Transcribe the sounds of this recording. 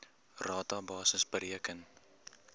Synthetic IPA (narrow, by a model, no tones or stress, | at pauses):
rɑːtɑbɑːsəsbəɾiəkən